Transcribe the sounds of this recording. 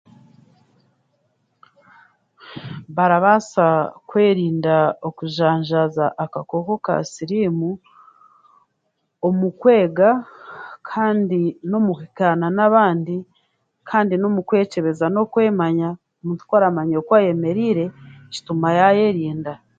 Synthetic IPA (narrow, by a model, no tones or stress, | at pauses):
βaɾaβasakwe̞ːɾiːndaokuʒaːɲʒazaʔːkako̞ko̞ka̰siɾimu | omukwe̞ːɡa | kʰaːndino̞muhikananaβaːndi | kʰaːndino̞mukwe̞ːce̞βe̞zano̞kwe̞ːmaɲa | omuːntu̥kwaɾamaɲookwaːje̞me̞ɾiɾe̞ci̥tumajaje̞ɾiːnda